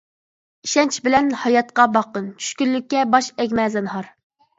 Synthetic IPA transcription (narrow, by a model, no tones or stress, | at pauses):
iʃɛnt͡ʃʰibɪlɛnhɑjɑt̪̚qɑbɑqənt͡ʃʰy̥ʃkʲyllykʲːɛbɑʃɛkʲmɛzɛnɦɑɾ